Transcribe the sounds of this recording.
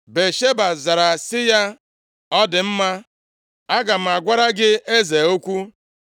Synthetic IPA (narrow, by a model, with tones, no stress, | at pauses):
be˨ʃe˦ba˨za˨ɾa˨sɪ˦ja˦ | ɔ˦dɪ˨m̩˦ma˦ | a˦ɡa˨m̩˨a˨ɡʷa˦ɾa˦ɡɪ˦e˦ze˨o˦kʷu˦